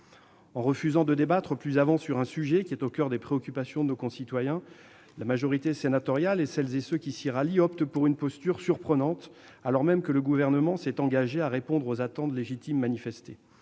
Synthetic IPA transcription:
ɑ̃ʁəfyzɑ̃d̪əd̪ebat̪χəplyzavɑ̃syʁɛ̃syʒɛkʲiɛt̪okʲœʁd̪epχeɔkʲypasjɔ̃d̪ənokɔ̃sit̪wajɛ̃ | lamaʒɔʁit̪esenat̪ɔʁjalesɛlzesøkʲisiʁaliɔpt̪əpuʁynpɔst̪yʁsyʁpχənɑ̃t̪ | alɔʁmɛmkələɡuvɛʁnəmɑ̃sɛt̪ɑ̃ɡaʒeaʁepɔ̃d̪ʁozat̪ɑ̃t̪leʒit̪imːanifɛst̪e

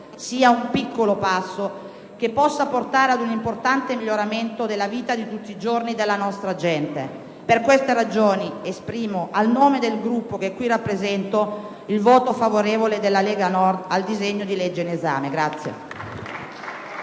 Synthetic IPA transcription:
siːaumpikːolopasːo | kepːɔsːaport̪aːɾead̪unimport̪ant̪emiʎːoɾament̪od̪elːaviːt̪ad̪it̪ut̪ːiːd͡ʒornid̪elːanɔst̪ɾad͡ʒɛnt̪e | perkwest̪eɾad͡ʒoːniespɾiːmoʔalnoːmed̪elɡɾupːok̟ekːwirapːɾezɛnt̪o | ilvoːt̪ofavoɾeːvoled̪elːaleːɡanɔrd̪ald̪izeɲːod̪iled͡ʒːeineza̰ːmeɡɾat̪sːjḛ

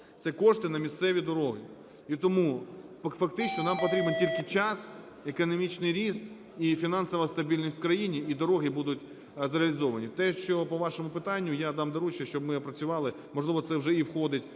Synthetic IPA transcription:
t̪sɛkɔʂt̪ɪnɐmʲist̪sɛʋʲid̪ɔɾɔɦɪ | it̪ɔmufɐkt̪ɪt͡ʃnɔnɑmpɔt̪ɾʲibentʲilʲkɪt͡ʃɑs | ekɔnɔmʲit͡ʃnɪjɾʲist̪ | ifʲin̪ɑnsɔʋɐst̪ɐbʲilʲnʲɔsʲtʲkɾɐjinʲiid̪ɔɾɔɦɪbud̪ʊtʲ | zɾeɐlʲizɔʋɐnʲit̪ɛʃt͡ʃɔpɔʋɑʃɔmʊpɪt̪ɑnʲːʊjad̪ɑmd̪ɐɾut͡ʃɐʃt͡ʃɔbmɪɐpɾɐt͡sʲʊʋɑlˠɪ | mɔʒlˠɪʋɔt̪sɛwʒɛiwxɔd̪ɪtʲ

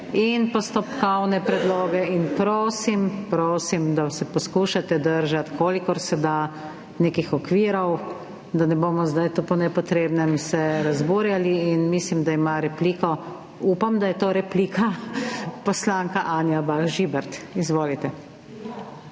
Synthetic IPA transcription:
inpɔst̪opkɔwnɛpɾɛd̪loːɡɛinpɾoːsimpɾoːsimd̪asɛpɔskuːʃat̪ɛd̪əɾʒat̪kʰoːlikɔɾsɛd̪a | neːkixɔkʋiːɾɔw | d̪anɛboːmɔzd̪ajt̪upɔnɛpɔt̪ɾeːbnɛmsɛɾazbuːɾjaliːnmiːslimd̪aimaɾɛpliːkɔ | uːpamd̪ajɛt̪oːɾɛpliːkʰa | pɔslaːŋkaʔaːnjabaxʒibɛɾt̪izʋoːlit̪ɛ

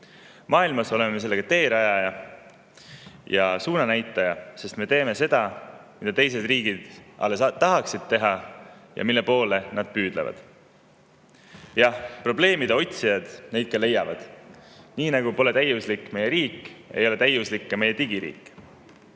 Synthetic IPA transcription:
mʔɑːilmɑso̞lememe̞se̞lːe̞ɡ̥ɑt̪e̞ːɾɑjɑjɑ | jɑsuːnɑnæjt̪ːˑɑjɑse̞st̪me̞t̪e̞ːme̞se̞d̪̥ɑmid̪̥ɑt̪e̞js̬e̞d̪̥riːɡid̪̥ʔɑ̰lːet̪ɑɦɑksid̪̥̚t̪e̞ɦɑjɑ̰milːe̞po̞ːle̞nɑd̪̥̚pyːd̪̥lḛvɑ̰d̪̥ | jɑhpro̞ble̞ːmid̪eo̞t̪ʲsijɑd̪̥ne̞jd̪̥̚kɑle̞jːɑvɑd̪̥niːnɑɡ̥upo̞le̞t̪æjuslikːˑme̞jeɾiːkːe̞̰jo̞le̞t̪æjuslikːɑme̞je̞t̪iɡiɾḭːkː

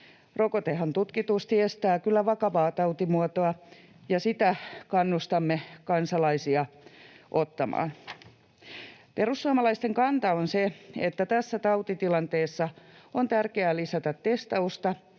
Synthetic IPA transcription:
rokot̪ehænt̪ut̪kit̪ust̪iest̪æːkylːæʋɑkɑʋɑːt̪ɑut̪imuot̪oɑ | jɑsit̪ækɑnːust̪ɑmːekɑnsɑlɑisiɑʔot̪ːɑmɑ̰ːn | perusːuɑmɑlɑist̪eŋkɑnt̪ɑonseet̪ːæt̪æsːæt̪ɑwt̪it̪ilɑnt̪eːsːɑont̪ærkeælisɑt̪ɑt̪ːest̪ɑust̪ɑ

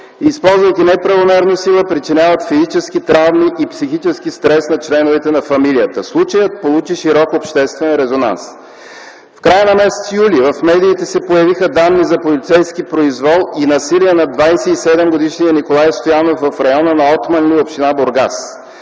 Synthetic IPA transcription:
ispɔlˠzvəjk̪ʲinɛpɾɐvomɛɾnosilˠəpɾit͡ʃinʲavət̪fizit͡ʃɛsk̟it̪ɾavmiʔipsixit͡ʃɛskist̪ɾɛsnɐt͡ʃlɛnʊvɛt̪ɛnɐfɐmilijət̪əslˠut͡ʃəjət̪̚polˠut͡ʃiʃiɾɔkopʃt̪ɛst̪vɛnɾɛzona̰ns | fkɾajənɐmɛsɛ̥t̪sjulivɐfmɛd̪iːt̪ɛsɛpojɐvixəd̪anːizɐpolit̪sɛjskipɾoizvɔlˠinɐsiliɛnɐd̪vajsɛisɛd̪ɛmɡod̪iʃnijənikolˠajst̪ojanofvɐfɾɐjɔnənɐɔt̪mɐnliopʃt̪inaboɾɡa̰s

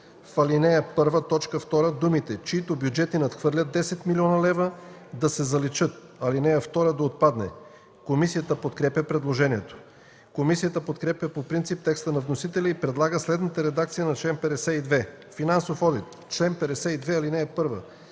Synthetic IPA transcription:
fɐlinɛəpɤɾvət̪ɔt͡ʃkəft̪ɔɾəd̪umit̪ɛt͡ʃiit̪objud͡ʒɛt̪inɐt̪xvɤɾlʲət̪̚d̪ɛsɛt̪milʲiɔnɐlɛvəd̪ɐsɛzɐlit͡ʃɤt̪̚ɐlinɛjəft̪ɔɾəd̪ɐot̪̚pad̪nɛ̰ | komisijət̪əpot̪kɾɛpʲjɐpɾɛd̪lˠoʒɛniɛt̪o̥ | komisijət̪əpot̪kɾɛpjəpopɾint̪sip̚t̪ɛkst̪ənɐvnosit̪ɛlʲɛipɾɛd̪lˠaɡəslɛd̪nət̪əɾɛd̪ak̚t̪sijənɐt͡ʃlɛnpɛɾɛsɛid̪vɛ | finansofɔd̪it̪ | t͡ʃlɛnpɛɾɛsɛid̪vɛɐlinɛːpɤɾvə

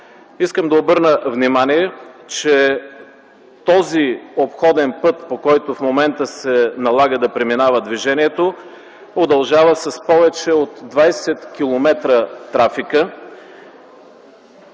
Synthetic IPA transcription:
iskəmd̪ɐobɤɾnəvnimaniɛt͡ʃɛ | t̪ɔziopxɔd̪ɛnpɤt̪pokɔjt̪ofmomɛnt̪əsɛnɐlˠaɡəd̪ɐpɾɛminavəd̪viʒɛniɛt̪o | od̪ɐlˠʒavəsɐspɔvɛt͡ʃɛot̪d̪vajsɛt̪kʲilˠomɛt̪ɾət̪ɾafikə

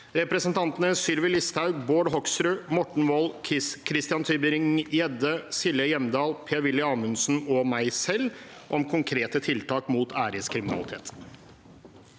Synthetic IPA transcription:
ɾɛpɾɛsənt̪ʰɑnt̪ənəsʏlʋɪlɪst̪ʰɑʉboːɖɦɔksɾʉmɔʈɳ̩ʋɔlkʰɾɪst̪ɪjɑnt̪ʰyːbɪɾɪŋjɛd̪əsɪləjɛmd̪ɑːlpʰeːɾʋɪlːɪɑːmʉnsn̩ɔmæɪsɛlːʔɔmkʰʊŋkʰɾeːt̪ət̪ʰɪlt̪ʰɑːkmuːt̪ʰæːɾɪskʰɾɪmɪnɑ̰lɪt̪ʰḛːt̪

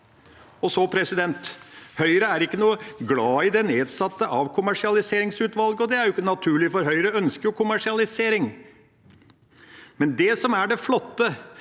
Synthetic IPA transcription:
ɔsɔpʰɾɛsɪd̪ɛnt̪hœʏɾəæɾɪkːənuːəɡlɑːɪd̪ɛneːd̪sɑt̪ːəʔɑʋkʰʊmæʂɪɑlɪseːɾɪŋsʉːt̪ʋɑlɡəɔd̪ɛæɾjʊɪkːənɑt̪ʰʉːɭɪfɔɾɦœʏɾəœnskəɾjʊkʰʊmæʂɪɑlɪseːɾɪŋ | mɛnd̪ɛsɔmæɖɛflɔt̪ːə

